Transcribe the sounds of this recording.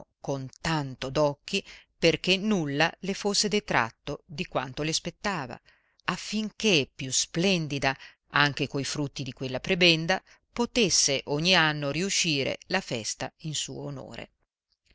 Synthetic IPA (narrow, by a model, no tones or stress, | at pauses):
kont̪ant̪od̪ɔkːiperkenːulːalefosːed̪et̪ɾa̰t̪ːod̪ikwant̪olespet̪ːaːva̰ | afːiŋk̟epːjusplɛnd̪id̪a | aŋk̟ekoifɾut̪ːid̪ikwelːapɾebɛnd̪a | pot̪esːeʔoɲːianːoriuʃːiːɾḛlafɛst̪ainsṵːoːno̰ːɾḛ